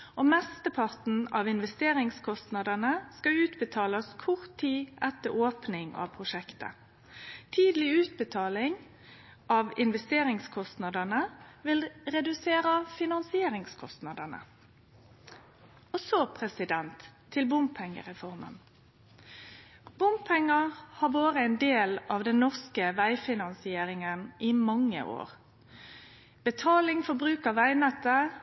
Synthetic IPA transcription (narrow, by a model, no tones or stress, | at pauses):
ʔoːmɛst̪əpʰɑʁt̪n̩ɑʋɪnʋɛst̪eːɾɪŋskʰɔst̪nɑd̪ənəskɑʉːt̪bət̪ʰɑːlɑskʰʊʁt̪ʰːiːʔɛt̪ːəɾoːpnɪŋɑ̰ʋpʰʁʊʃɛkt̪ə̰ | t̪ʰiːd̪lɪʉːt̪̚bət̪ʰɑːlɪŋ | ʔɑʋɪnʋɛst̪eːɾɪŋskʰɔst̪nɑd̪ənəʋɪlʁɛd̪ʉseːɾəfɪnɑnsɪeːɾɪŋskʰɔst̪nɑd̪ənə̰ | ɔsɔpʰʁɛsɪd̪ɛnt̪ʰː | ɪlbʊmppʰɛŋːə̰ʁɛfɔʁmə̰n | b̥ʊmppʰɛŋːəhɑʁʋoːʁəɛːnd̪eːlɑːʋd̪ɛnnːɔʁskəʋæɪfɪnɑnsɪeːɾɪŋənʔimɑŋːə̰ʔo̰ːʁ | b̥ət̪ʰɑːlɪŋfɔbʁʉːkəʋæɪnɛt̪ːə